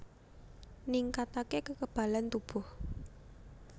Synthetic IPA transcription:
niŋkat̪akekəkəb̥a̤lant̪ub̥ɔ̤h

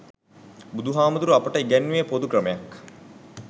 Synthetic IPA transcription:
bud̪ʱuɦaːmɐd̪uɾuapəʈəiɡænːuepod̪ukrəmejak

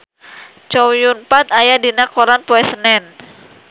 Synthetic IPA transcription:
t͡ʃɔwjunpat̪̚ajadinakɔɾanpoɛsənɛn

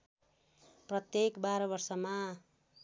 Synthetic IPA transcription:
prʌt̪jekbaɾʌbʌrsʌma

